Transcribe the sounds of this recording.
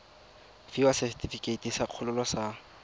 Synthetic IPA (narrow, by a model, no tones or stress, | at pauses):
fiwasɛstʰʼifikʼetʼisaq͡χʰʊlʊlɔsa